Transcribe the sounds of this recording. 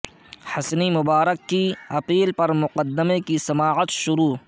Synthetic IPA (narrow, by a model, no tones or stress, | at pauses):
hɐsnimʊbaːɾəkːiɐpiːlpɐɾmʊqəd̪ːɪmekisɐmaːʕət̪ʃʊɾuː